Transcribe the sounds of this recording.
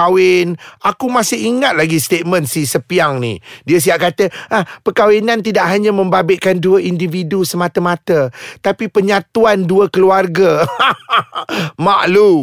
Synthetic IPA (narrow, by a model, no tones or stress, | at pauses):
awɪnakumasɪɦiŋat̪̚laɡist̪et̪̚mə̃nsisəpiaŋnḭdiəs̬iaʔkat̪əʔahpəkawinant̪̬idaʔɦaɲamə̃mbabɪʔkanduəʔindividusəmat̪əmãt̪ət̪apipəɲãt̪uanduəkəluarɡa | maʔlu